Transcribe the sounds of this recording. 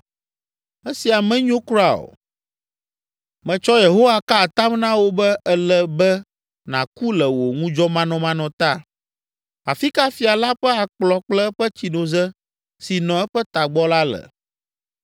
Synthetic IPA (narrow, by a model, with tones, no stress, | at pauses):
ɛ˦si˨a˨mɛ̃˦ɲõ˦kɾa˨o̰˨ | mɛ̃˨t͡ʃɔ˦je˨ɦo˦wa˦ka˦˨t̪a˦mnã˦wo˦bɛ˦ʔɛ˦lɛ˨bɛ˦ | nã̰˨ku˦lɛ˨wo˨ŋũ˦d͡ʒɔ˦mã˦nɔ̃˨mã˦nɔ̃˨t̪a˦˨ | a̰˨fi˦ka˦fi˨a˨la˦ɸɛ˦a˨k͡plɔ˨k͡plɛ˦ɸə˦t͡ɕi˨nõ˨zɛ˦ | si˨nɔ̃˨ɛ˦ɸɛ˦t̪a˨ɡ͡bɔ˦la˦lə̰˨